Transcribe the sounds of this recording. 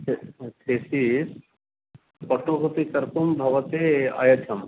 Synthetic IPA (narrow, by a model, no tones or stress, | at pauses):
t̪ʰesis | pɐʈokɐt̪ikɐɾpumbʱɐʋɐt̪eɐ̰jɐt̪ʰɐm